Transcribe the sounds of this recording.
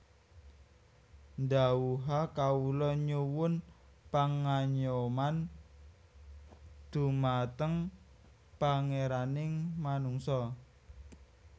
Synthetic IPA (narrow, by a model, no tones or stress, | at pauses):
nd̪awuɦakaulɔɲuwʊn | paŋaɲoman | d̪̥ṳmat̪əŋ | paŋeɾanɪŋmanuŋsɔ